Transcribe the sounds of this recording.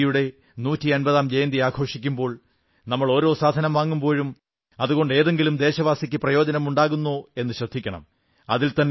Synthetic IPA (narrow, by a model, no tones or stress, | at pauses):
juɽe̞ | nuːtːiɐnbɐðaːmd͡ʑejnd̪iaːkʰo̞ːʂikʲːumbo̞ːɭ | nɐmːɐɭo̞ːɾo̞ːsaːd̪ʱɐnɐmʋaːŋːumbo̞ːɻum | ɐðuɣo̞ɳɖe̞ːðe̞ŋɡilumd̪e̞ːɕɐʋaːsikʲːɨprɐjo̞ːd͡ʑɐnɐmuɳɖaːɣunːoe̞nːɨɕrɐd̪ʱːikʲːɐɳɐ̰m | ɐ̰ðilt̪ɐnː